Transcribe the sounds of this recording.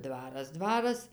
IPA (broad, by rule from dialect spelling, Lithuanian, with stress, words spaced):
ˈdʋɑːrɐs ˈdʋɑːrɐs